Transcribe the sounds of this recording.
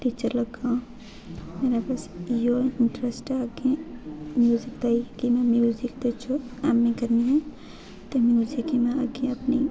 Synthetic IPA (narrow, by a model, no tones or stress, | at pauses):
ʈit͡ʃəɾlɐɡaõ | meːɾapaːsjoɪɳʈɾesʈaɡẽmjuːzikt̪aikimɛ̃mjuzikd̪et͡ʃʰoamːĩkɐɾniɦɛ̃ | t̪omjuːzikimɛ̃a̰ɡẽɐpnḭ